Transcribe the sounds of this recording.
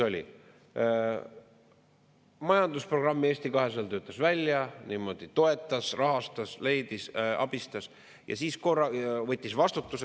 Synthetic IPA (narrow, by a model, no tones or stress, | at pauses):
o̞lʲḭ | mɑjɑnd̪̥uspro̞ɡ̥rɑmːie̞ːst̪ikɑɦe̞selt̪øːt̪ːˑɑsvælʲjɑniːmo̞d̪̥it̪o̞e̞t̪ˑːɑsrɑɦɑst̪ɑsle̞jd̪̥isɑ̰b̥ist̪ɑs | jɑ̰siːsko̞rːɑvɤ̞t̪ʲˑːisvɑst̪ut̪ːˑuse